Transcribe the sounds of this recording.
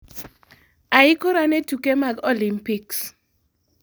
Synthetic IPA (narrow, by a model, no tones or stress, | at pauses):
aɪkoɾanetukemaɡolimpiks